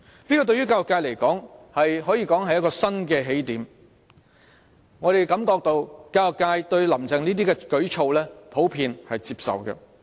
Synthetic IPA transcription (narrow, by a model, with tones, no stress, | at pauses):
liː˥kɔː˧t̪ɵ˧ɥjɥyː˥kaː˧jɔ˨kːaː˧jle˨˩jkɔː˨˥ŋhɐ˨jɦɔː˨˥jiː˧kɔː˨˥ŋɦɐ˨jɐ˥t̚kɔː˧sɐ˥nkɛː˧ɦe˨˥jt̪iː˨˥m | ŋɔː˨˧ɾe˨jkɐ˨˥mk̪ɔː˧k̚t̪o˧wkaː˧jɔ˨kːaː˧jt̪ɵ˧ɥlɐ˨˩mt͡sɪ˨ŋniː˥t̪̬iː˥kɛː˧kɵ˨˥ɥt͡ʃʰo˧wlɛː˥pʰo˨˥wpʰiː˧nhɐ˨jt͡siː˧p̚sɐ̰˨wɡɛ̰˧